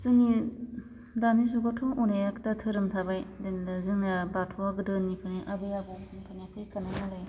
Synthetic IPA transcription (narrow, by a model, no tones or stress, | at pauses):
sɯŋi | danis̬uɡɔtʰɔŋunajaktatʰɯɾɯmtʰabajdenlɯzɯŋnabatʰɔaɡɯdɯnːipʰɯniʔabɯjabɔnipʰɯnapʰɯjkananalaj